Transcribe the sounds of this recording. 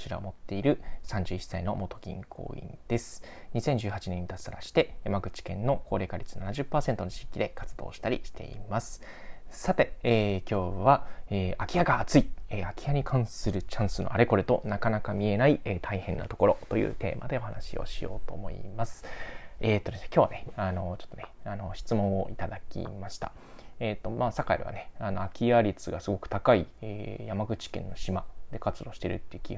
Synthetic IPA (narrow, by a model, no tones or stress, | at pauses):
t͡ɕiɾa̰o̰mo̞t̪ːe̞iɾɯ̟sãɲ̟d͡ʑɨːisːaino̞mo̞t̪o̞̥ɡʲḭ̃ŋkʰo̰ːḭ̃nd̪̥e̞sɨ̥ | ɲ̟isẽ̞ɲ̟d͡ʑɨːhat͡ɕinẽ̞ɲ̟ːit̪asaɾaɕi̥t̪e̞jamaɡɯ̟t͡ɕi̥kẽ̞nːo̞kʰo̞ːɾe̞ːkaɾʲit͡sɨ̥nanaʑɨpːaːsẽ̞nt̪o̞noɕi̥kʲid̪e̞kat͡sɨd̪o̞̰ːɕi̥t̪aɾʲḭɕi̥t̪e̞̰ḭmasɨ̥ | sat̪e̞eːkʲo̞ːβaeːakʲijaɡaːt͡sɨieakʲijaɲ̟ikʰãɰ̃sɨɾɯ̟t͡ɕãɰ̃sɨnoʔaɾe̞ko̞ɾet̪o̞nakanakamʲie̞naiet̪ʰaihẽ̞nːa̰t̪o̞̥ko̞ɾo̞t̪o̞jɯ̟̰ːt̪e̞̰ːma̰d̪e̞o̞hanaɕio̞̰ɕijo̞̰ːt̪o̞ːmo̞̰ḭmasɨ̥eːt̪ːod̪esnekʲjo̞ːβane̞ano̞t͡ɕot̪ːoneano̞ɕi̥t͡sɨmõɰ̃o̞ʔit̪ad̪akʲḭmaɕi̥t̪a̰ | eːt̪ːo̞maːsakaiɾḭβa̰neano̞akʲiaɾʲit͡sɨɡasɨɡo̞kɯ̟̥t̪akaieːjamaɡɯ̟t͡ɕi̥kẽ̞nːo̞ɕimad̪e̞kat͡sɨd̪o̞ːɕi̥t̪eɾɯ̟t̪ːeɯ̟kʲi